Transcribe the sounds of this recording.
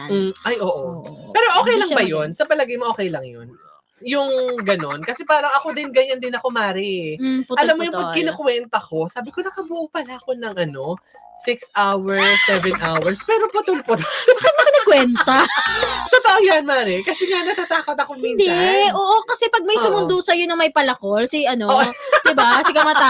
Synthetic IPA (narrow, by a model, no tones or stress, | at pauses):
ʔɐjʔoːʔopɛːɾo̞ʔoːkɛjlɐŋbɐjonsɐpɐlɐɡajmoʔo̞ːkɛjlɐŋjo̰n | jʊŋɡɐno̞nkɐsɛpaːɾɐŋɐko̞d̪ɪnɡɐɲand̪ɪnɐko̞maːɾɪʔɐlamːojʊŋpɐɡkːɪnokʊwɛnt̪ɐko̞saːbɪkonɐkɐbʊʔupɐlaɐko̞nɐŋʔɐno̞ | sɪksʔawɛɹsːɛvɛnʔawɛɹspɛɾopʊt̪ʊlpʊt̪ɪbakɐt̪̚mɐknɐkwɛntt̪ɐt̪ot̪oʔojanmaːɾɪkɐsɛŋanɐt̪at̪aːkot̪ɐkomind̪ɛʔoːʔokɐsɛpɐɡ̚mɐjsʊmʊnd̪osɐjonɐŋmɐjpɐlɐkolsɪʔɐnooʔd̪ɪbaɐsɪkɐmat̪a